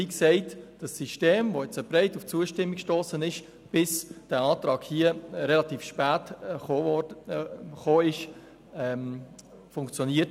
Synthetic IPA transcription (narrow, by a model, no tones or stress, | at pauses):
iksɛɪtd̥ɑsːiʃteːmvojɛt͡səb̥ɾɛɪtuft͡suəʃtɪmːikʃtoːsənɪʃ | b̥ɪsd̥æːɑːtɾɑːɡhiːəɾɛlɑtiːfʃpæːtː | χoːɪʃ | ɛm | fʊŋkt͡sjoniːət